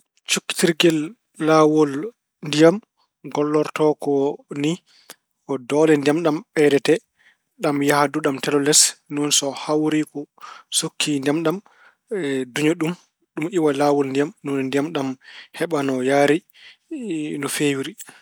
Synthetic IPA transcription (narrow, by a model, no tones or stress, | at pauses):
t͡ʃukːi̥tiɾɡɛlː | awɔl | ndijam | ɡɔlːɔɾtɔkɔni | kɔdɔːlɛndijamɗamɓɛdɛtɛ | ɗamjahaduɗamtɛlɔlɛsnɔnsɔhawɾikɔsokʰːindɛmɗam | duɲɔɗum | ɗumʔiwalawɔlndijamnɔnndijamɗamhɛɓanɔjaːɾi | nɔfewiɾi